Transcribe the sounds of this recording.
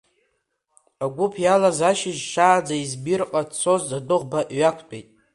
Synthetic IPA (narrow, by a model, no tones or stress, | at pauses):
aɡʷʊpʰjalazaʃɪʒʃaːd͡zaizbirqʼat͡sʰo̞zadɨʁbaʔɥakʷʰpʼḛjtʼ